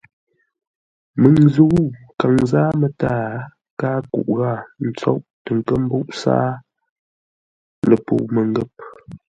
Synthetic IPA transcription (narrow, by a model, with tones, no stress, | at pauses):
mə˨ŋzu˦u˦ka˨ŋzaː˦mə˨taː˦ | kaː˦kṵ˦˨ʔɣa˦˨n̩˦˨t͡sɔ̰˦ʔtə˨ŋ˨kə˦m̩˦bu˦ʔsa̰ː˦ | lə˨po̰˨mə˨ŋ˦ɡə˦˨p̚